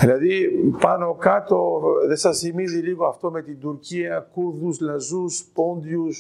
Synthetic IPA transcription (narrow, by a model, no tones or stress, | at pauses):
ðilɐðipɐno̞kɐt̪o̞ðesɐsθimiziliɣoɐft̪o̞me̞t̪ind̪uɾciɐkuðuzlɐzuspo̞nd̪jus